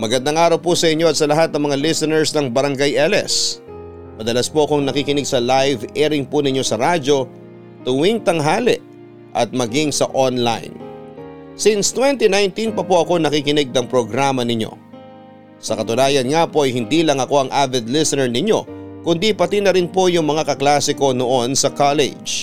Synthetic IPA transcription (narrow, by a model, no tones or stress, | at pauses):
mɐɡɐnd̪aŋʔaːɾɐwpusɐʔɪɲːo̞ɐt̪̚sɐlɐɦat̪̚nɐŋmɐŋalɪsɛnɛɹsnɐŋbɐɾɐŋɡajʔɛlɛ̰s | mɐd̪ɐlaspoʔɐkoŋnɐkikɪnɛɡ̚sɐlajvɛɾɪŋpunɪɲːo̞sɐɾad͡ʒo̞ | t̪ʊwiŋt̪ɐŋɦaːlɪʔ | ʔɐ̰t̪̚mɐɡiŋsɐʔonla̰jn | sinst̪wɛnt̪inajnt̪inpɐpoʔɐko̞nɐkikɪnɛɡ̚nɐŋpɾoɡɾamɐnɪɲo̞̰ | sɐkɐt̪ʊnaːjɐnŋapo̞ʔɐjhɪnd̪iːlɐŋɐko̞ɐŋʔavɛd̪lɪsɛnɛɹnɪɲo̞kʊnd̪ipɐt̪inɐɾɪnpo̞jʊŋmɐŋakɐklaːsɪko̞noʔo̞nsɐkalɛ̰d͡ʒ